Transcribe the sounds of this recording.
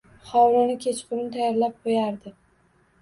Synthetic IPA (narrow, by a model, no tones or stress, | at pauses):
χɒwɾɪnɪkʲʰe̞t͡ʃqʰʊɾnt̪ʰajaɾlap̚qʰojaɾd̪ɪ